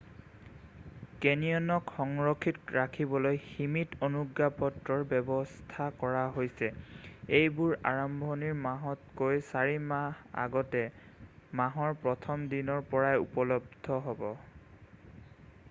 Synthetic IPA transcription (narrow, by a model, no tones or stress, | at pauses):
kenijɔnɔkxɔŋɹɔkʰːitɹakʰibɔlojximitonuɡːapɔtɹɔɹbɛbɔstʰakɔɹaɦojsɛejbuɹa̰ɹɔmbʱoniɹmaɦɔt̚kojsaɹimaha̰ɡɔtɛmaɦɔɹpɹɔtʰɔmdinɔɹpɔɹajṵpɔlɔb̚dʱɔɦɔbɔ